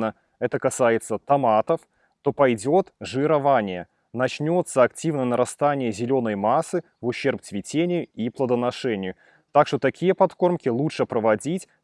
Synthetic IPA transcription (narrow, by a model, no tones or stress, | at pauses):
ə | ɛt̪əkɐsajɪt̪sət̪ɐmat̪əf | t̪o̞pɐjdʲo̞t̪ʐɨɪɾɐvanʲɪjə | nɐt͡ɕnʲo̞t̪səɐktʲivnəjənəɾɐst̪anʲɪjəzʲɪlʲo̞nəjmasːɨ | vʊɕːerp̚t̪svʲɪtʲenʲɪjʊiplˠəd̪ənɐʂɛnʲɪjʊ | t̪akʂt̪ot̪ɐkʲijəpɐt̪ko̞rmkʲɪlˠutʂɨpɾəvɐdʲitʲ